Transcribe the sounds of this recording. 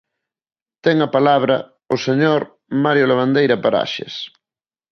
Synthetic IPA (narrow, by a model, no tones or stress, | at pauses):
t̪ɛŋɐpalaβ̞ɾɐ | ʊseɲoɾ | maɾjolaβ̞and̪ejɾɐpaɾa̰ʃḛs